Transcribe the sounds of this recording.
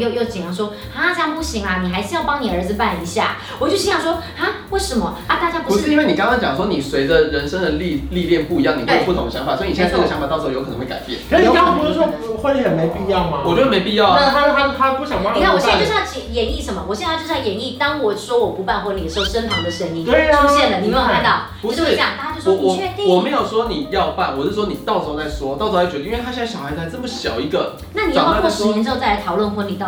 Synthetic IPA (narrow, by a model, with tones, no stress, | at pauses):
jo˥˧ʊjo˥˩ʊt͡ɕi˨˩ŋjɑ˧˥˩ŋʂwɔ˥ | ha˥t͡ɕjɑ˥˩pu˥˩ɕi˧˥ŋa˧ni˨˩xa˧˥ɪʂ̩˧˥jɑ˥˩ʊpɑ˥ŋni˨˩ə˞˧˥d͡zz̩˨˧pa˥˩ni˧˥ɕja̰˥˩ | wɔ˨˩t͡ɕjo˥˧ʊɕjɑ˨˩ʂwɔ˥ha˥we˥˩ɪʂə˧˦mə˧ | a˥˩t̪a˥˩t͡ɕja˥pu˧˥i˥we˥˩ɪni˨˩kɑ˥ŋkɑ˥ŋt͡ɕɑ˨˩ŋə˦ʂwɔ˥ni˨˩swe˧˦ɪdə˧ɻə˧˥nʂə˥ŋɻə˧˦nli˥˨li˥˧ljɛ˥˧˨npu˥˩i˦jɑ˥˩ŋni˨˩˥jo˨˩pu˥˩t̪ʰʊ˦ŋd̪ə˩ɕɑ˧˥ŋfa˨˩swɔ˧˥i˧ni˨jɛ˥˧˩ə˩ɕɑ˦ŋfa˨˩ɑ˥˩ʂ̩˧˥˩jo˧˥k̪ʰe˧˥ka̰˨˩ɪpjɛ˥˩nʰ˥pu˧˥˩wo˥˩xwe˥˩xə˨˩nme˧˥ɪpi˥˧jɑ˥˩ʊma˧wɔ˨˩t͡ɕo˥˧ə˥˩me˧˥ɪpi˥˧jɑ˥˨ʊ˥˩a˥˧˩a˥t̪ʰa˥˧pu˥˩ɕjɑ˨ŋwa˥˧na˥˩wɕjt͡ɕi˧˨˩jɛ˧˥ni˥˩ʂə˧˥nmə˨wɔ˨˩ɕjɛ˥˧na˥˧t͡ɕʂ̩˥˩˨jɛ˧˥ni˥˩t̪ɑ˥ŋwɔ˨˩ʂwɔ˥wɔ˨˩pu˧˥pa˥˩nxwɔ˥ni˨˩ə˩ʂʊʂə˥npʰɑ˧˥ŋd̪ə˨ʂə˧˥ŋi˥ŋe˥ʈ͡ʂʰu˥ɕjɛ˥˧nlə˩ni˨˩me˥˧ka˥˧nt̪ɑ˥˩ʊ | pu˧˥t͡ɕo˥˩˥t͡ɕjɑ˨˩ŋt̪a˥˧˥a˥j̩˥˧˩wnwiɔ˩˨˩t͡ɕʰɛ˥˧ĩ˥ŋwɔ˨˩me˧˥ɪjo˨˩ʊʂwɔ˥ni˨˩jɑ˥˧ʊpa˥˩nwɔ˨˩t͡ɕjo˥˩ʂ̩˥˩wɔ˥ni˨˩t̪ɑ˥˨˩ʊt͡sɔ˥˧ʊla˧˩ɪʂwɔ˥t̪ɑ˥˩ʊt͡sɔ˥˧la˧˥t͡ɕɥ̪ə˧i˥we˥˧˩a˥ɕjɕɑ˨˩xɪt͡sʰa˥t͡sə˥˩mə˩ɕjɑ˨˩ʊi˧˥ɡə˨ | na˥˩ni˨˩jʰa˥kwɔ˥˩ʂɻ̩˥nɛ˧˥nʈ͡ʂ̩˥˧t͡sa˥˩t̪ʰɑ˨˩ʊlwə˥˩nxwə˧˥ni˨˩t̪